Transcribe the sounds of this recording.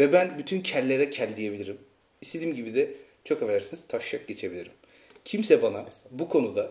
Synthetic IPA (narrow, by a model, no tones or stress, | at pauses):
vɛbænbyt̪ʰyncʰællːʲe̞ɾɛcʰælʲd̪ije̞bilʲiɾim | ist̪e̞d̪iːmɟibid̪ɛ | t͡ʃʰo̞kevelæɾsiniz̥t̪ʰaʃjak̚ɟe̞t͡ʃʰe̞bilʲiɾim | cʰimsɛbanabukʰo̞nud̪a